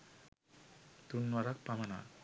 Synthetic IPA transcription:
t̪unːwaɾak̚pamana̰

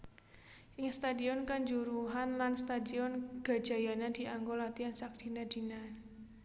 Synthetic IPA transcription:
ʔɪŋst̪adiɔnkaɲd͡ʒuɾuɦanlanst̪adiɔnɡ̥a̤̥d͡ʒ̥a̤janad̥i̤ʔaŋɡolat̪iansak̚d̥i̤nad̥i̤na

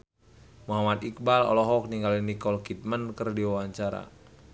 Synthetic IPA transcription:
muɦamat̪ik̚balɔ̰lɔɦɔk̚niŋɡalinikɔlkit̪̚mənkərdiwawaɲt͡ʃaɾa̰

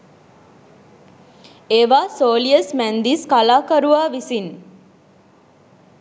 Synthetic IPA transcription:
eːʋaːsoːliəsmænd̪iskalaːkɐɾuʋaːʋisin

